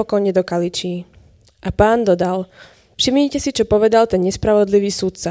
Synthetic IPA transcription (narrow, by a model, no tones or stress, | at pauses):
ɔkɔjɲɛd̪ɔkalit͡ʃiː | ʔapaːnd̪ɔd̪al | fʃimɲicɛsit͡ʃɔpɔʋɛd̪alt̪ɛnɲɛspɾaʋɔd̪liʋiːsut̪̚t͡sa